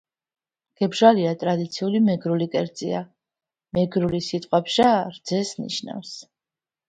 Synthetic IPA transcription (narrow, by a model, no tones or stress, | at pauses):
ɡ̥ɛbʒaliat̪ʼɾad̪it̪sʰiulimɛɡɾulikʼɛɾt̪sʼḭa | mɛɡɾulisit̪ʼqʼwapʃaɾd̪zɛsnḭʃna̰fs